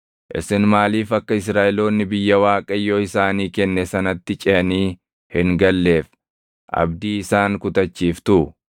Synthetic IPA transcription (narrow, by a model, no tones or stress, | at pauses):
ʔɪ̰sɪnmaːliːfɐkːɐɪsɾaːʔɪlo̞ːnːɪbɪjːɐwaːkʼɐjːoːɪsaːniːkɛnːɛsɐnɐt̪ːɪt͡ʃʼɛniː | hɪŋɡɐlːeːf | ʔɐ̰bd̪iːɪsaːŋkʊt̪ɐt͡ʃːiːft̪ʊʊ